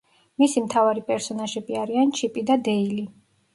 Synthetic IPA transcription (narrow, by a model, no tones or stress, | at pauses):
misimt̪ʰavaɾipʼɛɾsɔnaʒɛbiaɾiant͡ʃʰipʼid̪ad̪ɛili